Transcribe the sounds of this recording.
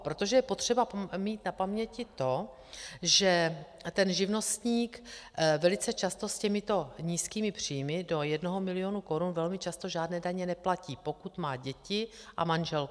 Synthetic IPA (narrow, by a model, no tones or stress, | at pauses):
pɾot̪o̞ʒɛjɛpot̪r̝̥ɛbamiːt̪napamɲɛcɪt̪o̞ | ʒɛt̪ɛnʒɪvno̞st̪ɲiːkvɛlɪt͡sɛt͡ʃast̪o̞scɛmɪt̪o̞ɲiːskiːmɪpr̝̥iːjmɪdo̞jɛdno̞ɦomɪlɪo̞nuko̞ɾunvɛlmɪt͡ʃast̪o̞ʒaːdnɛːdaɲɛnɛplaciːpo̞kut̪maːɟɛcɪʔa̰manʒɛlk